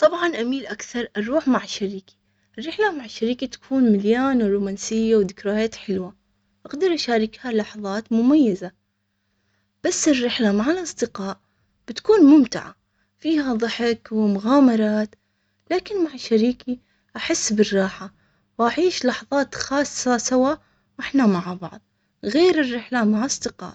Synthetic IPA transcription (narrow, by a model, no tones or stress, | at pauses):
t̪ˤɑbʕɑnʔamiːlʔakθɑɾˤʔɑɾˤuːħmaʕaʃːaɾiːki̥ | ʔɪrːɪħlamaʕaʃːaɾiːkit̪ḁkʰuːnmɪljaːnɾˤuːmaːnsɪjːawd̪ɪkɾajaːt̪ħɪlwa | ʔaqd̪ɑɾˤʔaʃaːɾˤɪkhalɑħðˤɑːt̪mʊmajːaza | b̥asːɪrːɪħlamaʕalʔɑsˤd̪ɪqɑːʔ | b̥ɪt̪kuːnmʊmt̪ɪʕa̰ | fiːhaðˤɨħɪkwɪmʊɣaːmɑɾˤɑːt̪ | laːkɪnmaʕaʃːaɾiːki | ʔaħɪsːbɪrˤːɑːħa | wʔaʕiːʃlɑħðˤɑːt̪xɑːsˤːɑsawa | wʔɪħnamaʕbɑ̰ʕðˤ | ɣeːɾɪrːɪħlamaʕʔɑsˤd̪ɪqɑ̰ːʔ